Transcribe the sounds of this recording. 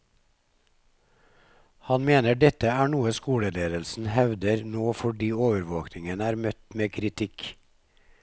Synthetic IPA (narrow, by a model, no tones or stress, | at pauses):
hɑnmeːnəɖɛt̪əæːɳuːəskuːɽəleːd̪əlsn̩hɛʋd̪əɾnoːfɔɖiːoːʋəɾʋoːknɪŋənæːɾmœt̪meːkʰɾɪt̪ʰɪk